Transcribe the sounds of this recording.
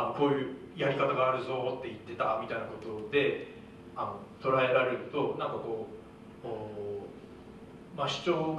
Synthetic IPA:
anokoːjɯ̟ː | jaɾʲikat̪aɡaːɾɯ̟zo̞t̪ːe̞it̪ːe̞t̪amʲit̪ainako̞t̪o̞d̪e̞ | ano̞t̪o̞ɾae̞ɾaɾe̞ɾɯ̟t̪o̞nãŋkako̞ː | oː | maɕi̥t͡ɕo̞ːɡ

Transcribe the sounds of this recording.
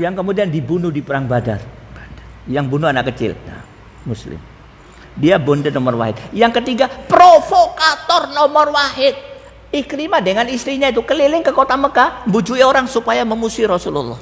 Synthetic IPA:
jaŋkəmudiandibunuhdipəɾaŋbada̰r | jaŋbunuanakːət͡ʃɪ̰lna̰ | muslɪ̰m | diabondənɔmɔrwa̰ɦɪt̪̚jaŋkət̪iɡapɾofokat̪ɔrnɔmɔrwahɪt̪̚ | iklimadəŋanist̪ɾiɲait̪ukəlilɪŋkəkot̪aməkambud͡ʒuioɾaŋsupajaməmusiɾɔsululːɔh

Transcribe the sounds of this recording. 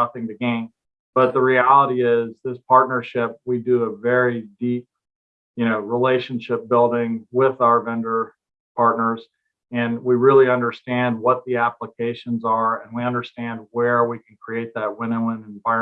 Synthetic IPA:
ʌθɪ̃ŋtɨɡẽɪ̃m | b̥ʌt̪̚ðəɹiælˠəɾiɪzðɪspʰɑɹtⁿnə˞ʃɪp̚widɨːvɛɹidip̚ | jɨnoʊɹileɪʃɨ̃n̩ʃɪp̚b̥ɪlˠdɪ̃ŋwɪðaʊə˞vɛ̃ndə˞ | pʰɑɹtⁿnə˞z̥ | ɨ̃nwiɹɪlˠiʌ̃ndə˞stæ̃nd̚wʌt̪̚ðiæpləkʰeɪʃɨ̃nzə˞ɨ̃nwiʌ̃ndə˞stæ̃nd̚wə˞wikʰn̩kʰɹ̥ieɪt̪̚ðət̚wɪ̃ñoə̃nɨ̃ɱvaɪ

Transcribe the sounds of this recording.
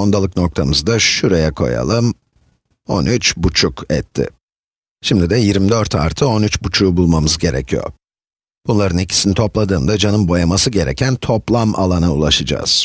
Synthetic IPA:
ond̪alˠɯkno̞k̚t̪ʰamɯzd̪aʃuɾejɛkʰo̞̰ja̰lˠɯm | o̞̰nyt͡ʃbut͡ʃʰukɛ̰t̪ʰːɪ̰ | ʃimd̪id̪ɛjiɾmid̪øɾt̪ʰa̰ɾt̪ʰɯo̞nyt͡ʃbut͡ʃʰuːbulˠmamɯzɟe̞ɾɛcʰijo̰ɾ | b̥unlˠaɾɯnicʰi̥sinit̪ʰo̞plˠad̪ɯːnd̪ad͡ʒanɯmbo̞jamasɯɟe̞ɾɛ̰cʰænt̪ʰo̞plˠamʔa̰lˠanaṵlˠaʃɯd͡ʒa̰ːz̥

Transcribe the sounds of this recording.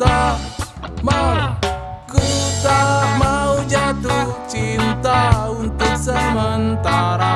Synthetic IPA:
t̪a | ma | kut̪amaud͡ʒat̪ut͡ʃint̪aunt̪uksəmənt̪aɾa

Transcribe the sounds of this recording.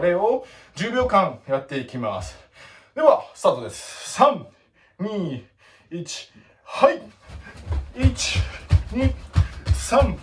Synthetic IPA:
ɾe̞o | d͡ʑɨːbʲjo̞ːkãŋjat̪ːe̞ikʲimasɨ̥ | d̪e̞βasɨ̥t̪aːt̪o̞d̪e̞sɨ̥sãŋ | ɲ̟iː | it͡ɕi̥ | hai | it͡ɕi̥ɲi | sãŋ

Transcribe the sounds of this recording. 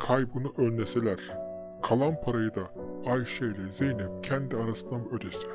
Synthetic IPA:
kʰajbunuʔønlʲeselʲæɾ̥ | kʰalˠanpʰaɾajɯd̪aajʃejlʲɛzejnɛp̚cʰænd̪iaɾasɯnd̪amuød̪esɛ

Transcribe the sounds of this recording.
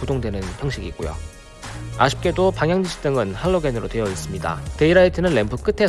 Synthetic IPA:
odoŋdwenɯnçjʌŋɕ͈ʰiɡik͈ojo̰ | a̰ɕʰi̥p̚k͈e̞dopaŋɦjaŋd͡ʑiɕʰi̥t͈ɯŋɯnhaɭːoɡenɯɾotwe̞jʌis͈ɯmɲida̰te̞iɾaitʰɯnɯnːe̞mbuk͈ɯtʰe̞

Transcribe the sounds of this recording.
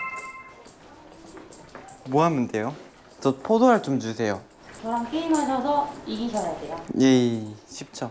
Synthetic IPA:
moɦamːɯndejo | t͡ɕʌpʰodoɦaɭt͡ɕomd͡ʑusʰe̞jo | t͡ɕʌamk͈eimɦaɕʰʌsʰʌiɡiɕʰʌɾatejajeɕʰip̚t͡ɕʰʌ

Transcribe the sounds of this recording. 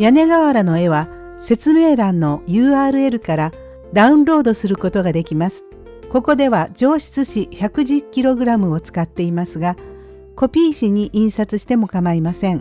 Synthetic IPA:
jane̞ɡaβaɾano̞e̞βa | se̞t͡sɨme̞ːɾãnːo̞jɯːaːɾɯ̟e̞ɾɯ̟kaɾa | d̪aɯ̟̃nɾo̞ːd̪o̞sɨɾɯ̟ko̞t̪o̞ɡad̪e̞kʲimasɨ̥ | ko̞ko̞d̪e̞β̞ad͡ʑo̞ːɕi̥t͡sɨɕiçakɯ̟ʑɨkʲːiɾo̞ɡɯ̟ɾamɯ̟o̞t͡sɨ̥kat̪ːe̞imasɨɡa | ko̞pʲiːɕiɲ̟iʔĩɰ̃sat͡sɨɕi̥t̪e̞mo̞kamaimasẽ̞ŋ

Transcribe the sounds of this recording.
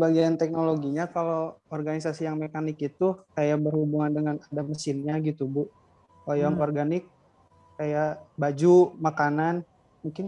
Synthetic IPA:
səbaɡiant̪ɛk̚noloɡiɲakalowɔrɡanisasijaŋmekanɪkit̪ukajabərhubuŋandəŋanadaməsɪnɲaɡit̪ubʊʔ | kojaŋɔrɡanɪk̚ː | ajabad͡ʒumakanan | muŋkɪn

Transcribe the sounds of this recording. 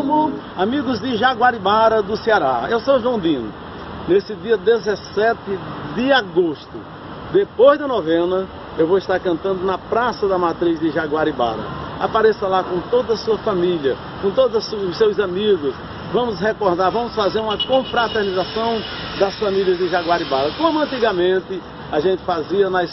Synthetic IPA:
mʊ | amiɡʊzd̪ɪʒaɡwaɾibaɾɐd̪ʊseaɾaewsowʒwɐ̃w̃d̪ĩnʊ̰ | nesɪd̪iɐd̪ezɛsɛt̪ɪd̪ɪaɡost̪ʊ | d̪epojzd̪ɐnɔvẽnɐ | ewvoist̪aɾkɐ̃nt̪ɐ̃nd̪ʊnɐpɾasɐd̪ɐmat̪ɾizd̪ɪʒaɡwaɾiba̰ɾɐ̰a̰paɾɛsɐlakõt̪od̪ɐɐsuɐfamiliɐ | kõt̪od̪ʊɐsuʊsewzamiɡʊs | vɐ̃mʊsɦekɔɾd̪aɾvɐ̃mʊsfazeɾũmɐkõfɾat̪eɾnizasɐ̃w̃ | d̪ɐsfamiliɐzd̪ɪʒaɡwaɾibalɐkõmʊɐ̃nt̪iɡɐmẽnt̪ɪ | aʒẽnt̪ɪ̥faziɐnɐjs

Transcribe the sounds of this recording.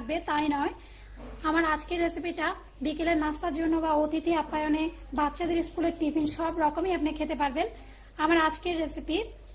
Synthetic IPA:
ɡ̚bet̪ajnɔe | amaɾad͡ʑkeɾːesipiʈa | bikeleɾnast̪aɾd͡ʑonːobaot̪it̪iapːajone | batːʃad̪eɾiskuleɾʈifʰinʃɔbɾɔkomejapnekʰet̪epaɾben | amaɾad͡ʑkeɾːesipiɾ

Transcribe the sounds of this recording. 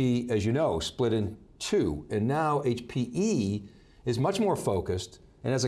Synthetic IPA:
iɨzjɨnoʊsplɪɾɨ̃n | tʰʉɨ̃nːaʊʔeɪt͡ʃpʰiʔi | ɨzmʌt͡ʃmɔɹfoʊkɨst | ɨ̃nɨzɨ

